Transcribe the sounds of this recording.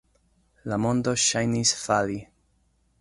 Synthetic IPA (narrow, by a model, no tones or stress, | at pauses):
lamo̞ndo̞ʃajnisfali